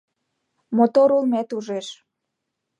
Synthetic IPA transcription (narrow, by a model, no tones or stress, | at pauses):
mot̪oɾulmet̪uʒeʃ